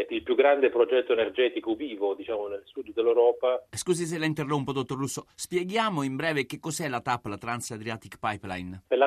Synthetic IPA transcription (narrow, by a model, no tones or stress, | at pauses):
ilpjuɡɾand̪epɾod͡ʒɛt̪ːoenerd͡ʒɛːt̪ikoviːvod̪it͡ʃaːmonelsud̪d̪elːewɾɔːpaskuːsis̬elaint̪erːoumpod̪ot̪ːorːusːospjeɡjaːmoimbɾɛːvek̟ekːɔzɛlat̪apːlat̪ɾansad̪ɾjaːt̪ikpajpla̰jnpela